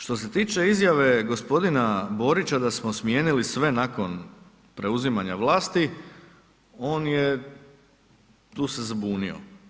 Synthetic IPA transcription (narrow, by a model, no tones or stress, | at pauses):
ʃt̪o̞s̬e̞t̪iːt͡ʃe̞izjaʋe̞ɡo̞spo̞d̪inabo̞ːɾit͡ɕad̪asmosmje̞ːnilisʋe̞nako̞n | pɾe̞uzimaɲaʋlaːst̪i | o̞ːnje | t̪uːse̞zabuːnḭo̞̰